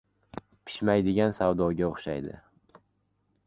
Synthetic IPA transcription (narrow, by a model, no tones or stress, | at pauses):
pʰɪ̥ʃmajd̪ɪɡʲansavd̪ɒɡʲaoχʃa̰jd̪ɪ̰